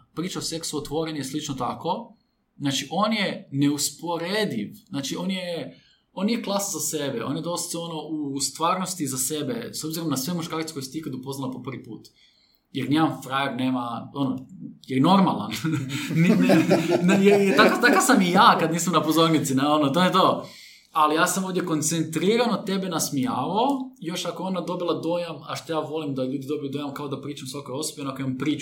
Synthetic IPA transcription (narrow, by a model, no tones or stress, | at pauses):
pɾiːt͡ʃaose̞ksuot̪ʋo̞ɾeɲujeslit͡ʃnot̪ako̞ | znaːt͡ʃiʔo̞ːnjeneuspo̞ɾed̪iʋznaːt͡ʃio̞ːnje | oːnijeklˠaszasebeo̞̰ːnjed̪o̞st̪o̞no̞ʔust̪ʋaːɾnost̪izasebḛsobziɾomnasʋemuʃkaːɾt̪sekojset̪ikad̪upo̞znalapopr̩ʋipuːt̪ | jeɾnimaɱfɾajeɾneːmao̞nojeno̞ɾmalˠa̰nnnnjet̪akat̪akasamijaːkad̪niːsamnapozo̞ɾnit̪sineo̞not̪o̞jet̪o̞ | alijaːsamo̞vd̪jeko̞nt̪sent̪ɾiːɾanot̪e̞benasmijaːʋaojo̞ʃakoeo̞nad̪o̞bilˠad̪o̞jama̰ʃt̪ojaːʋo̞limd̪aʎuːd̪id̪o̞bilid̪o̞jamkaod̪apɾiːt͡ʃamusʋakojo̞sobeonoakoimampɾiːt͡ʃu